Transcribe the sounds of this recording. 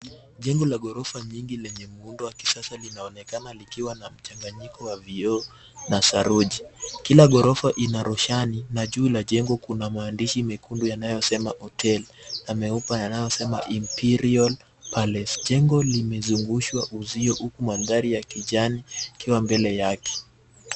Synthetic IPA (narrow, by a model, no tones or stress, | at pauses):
ʄɛŋɡɔlaɠɔɾɔfaɲiŋɡilɛɲɛmuundɔwaki̥sasalinaɔnɛkanalikiwanam̩t͡ʃaŋɡaɲikɔwaviɔ | nasaɾuʄikilaɡɔɾɔfaʔinaɾɔʃaninaʄuilaʄɛŋɡɔkunamaːndiʃimikundujanajɔsɛmaʔɔtʰɛlamɛupajanajɔsɛma̰ʔimpiɾiɔl | palɛsʄɛŋɡɔlimɛzuŋɡuʃwaʔuziɔhukumaðaɾijakiʄanikiwambɛlɛjakɛ̥